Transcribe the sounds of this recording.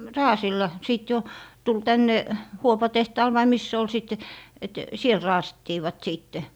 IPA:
rɑːsilːɑ siˑt jo tul tænːe huopɑtehtɑːl ʋɑi mis se ol siˑt et siel rɑːsitːiːʋɑt siːtːe

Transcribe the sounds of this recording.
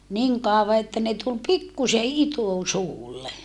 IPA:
niŋ kɑˑoʋɑ etːæ ne tul pikːuse itusuːlːe

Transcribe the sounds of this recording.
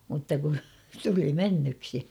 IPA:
mutːɑ ku tuli menːyksi

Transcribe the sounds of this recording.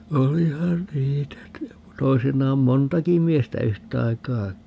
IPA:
olihɑn niːtæ toisinːɑːm montɑki miestæ yhtɑikɑː

